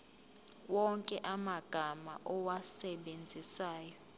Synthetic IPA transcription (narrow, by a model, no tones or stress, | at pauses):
wɔŋkʼɛʔamaɡ̥ʱama̰ʔɔwasɛɓend͡zʱisaːjɔ